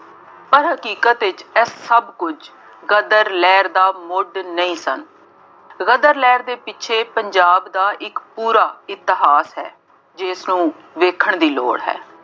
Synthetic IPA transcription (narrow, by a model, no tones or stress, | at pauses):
pəɾɦəkiːkət̪ɪt͡ʃɛəbkʊd͡ʒ | ɣəd̪əɾlɛːɾd̪aːmʊɖnəĩːsə̰n | ɣəd̪əɾlɛːɾd̪eːpɪtːʃʰeːpəɲd͡ʒaːbd̪aːʔɪkpuːɾaːɪt̪ɪɦaːsɦɛː | d͡ʒɪːsnũː | ʋeːkʰəɳd̪iːlo̰ːɽɦɛ̰ː